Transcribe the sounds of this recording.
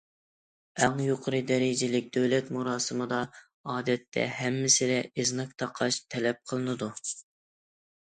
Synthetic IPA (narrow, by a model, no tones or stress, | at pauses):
æŋjoqʰəɾɨd̪ɛɾɪd͡ʒɪlɪk̚ʲd̪øwlɛt̪muɾɑːsɨmɨd̪ɑ | ɑːd̪ɛt̪ʰːɛ̰ɦɛmːɪsɪd̪ɛeznɨk̚ʲt̪ʰɑqʰɑʃt̪ʰɛlɛp̚qʰəlˠɨnɨd̪u